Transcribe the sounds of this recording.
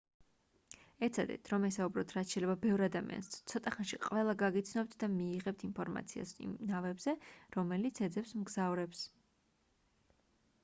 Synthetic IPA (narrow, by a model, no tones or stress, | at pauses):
ɛt̪sʰad̪ɛ̰t̪ʰɾɔmɛsaubɾɔt̪ʰɾat̪sʃɛjlɛbabɛvɾad̪amḭʔa̰nst̪sʰɔt̪ʼaχanʃiqʼvɛlˠaɡaɡit̪sʰnɔp̚t̪ʰd̪amiːʁɛp̚t̪ʰinpʰɔɾma̰t̪sʰia̰sḭmnavɛbzɛɾɔmɛlit̪sʰɛd̪zɛpsmɡzavɾɛps